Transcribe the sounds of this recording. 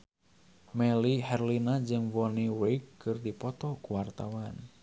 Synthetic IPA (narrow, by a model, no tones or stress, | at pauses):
mɛlihɛrlinad͡ʒɨŋvɔniwekkːɨrdipɔt̪ɔkuwart̪awan